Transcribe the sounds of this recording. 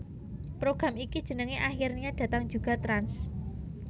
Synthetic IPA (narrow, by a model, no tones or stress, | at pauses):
pɾoɡ̥ɾa̤mikid̥ʒ̥ə̤nəŋeʔaxirniɲad̥ä̤t̪aŋ̥d͡ʒ̥uɡ̥a̤t̪ɾans